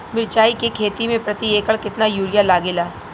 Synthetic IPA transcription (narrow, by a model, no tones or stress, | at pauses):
mɪɾt͡ʃaːikekʰeːt̪imẽpɾɐt̪ieːkəɭkɪt̪najuːɾjalaːɡeːlaː